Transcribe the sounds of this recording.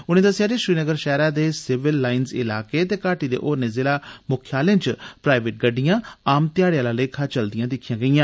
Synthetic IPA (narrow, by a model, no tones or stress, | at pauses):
ʊñẽːd̪əsɪjaːd͡ʒeʃɾiːnəɡəɾʃɛːɾaːd̪eːsɪʋɪlːaːɪnzɪ̰laːkeːt̪eːkaːʈiːd̪ḛːʔoːɾnẽːzɪlaːmʊkʰjaːlẽːt͡ʃpɾaːɪʋeːʈ̚ɡəɖːɪjãːaːmt̪ɪjaːɽjaːlãːleːkʰaːt͡ʃəld̪ɪjãːd̪ɪkʰːijãːɡəijãː